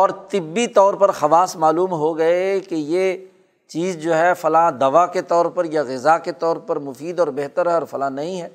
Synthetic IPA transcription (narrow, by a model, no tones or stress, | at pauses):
ɔːɾt̪ɪbːit̪ɔːɾpɐɾxɐʋaːsmaːluːmɦoɡɐekeje | t͡ʃiːzd͡ʒoːɦɛfɐlãːd̪ɐʋaket̪ɔːɾpɐɾjaɣɪzaket̪ɔːɾpɐɾmʊfiːd̪ɔːɾbɛɦt̪əɾɦɛɔːɾfɐlãːnɐɦĩɦɛː